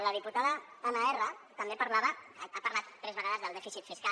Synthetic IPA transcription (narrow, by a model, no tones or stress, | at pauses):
ləð̞iput̪aðəðənaɛrət̪əmbepəɾlaβəapəɾlat̪ːɾɛzβəɣaðəzðəlˠd̪ɛfisit̪fiska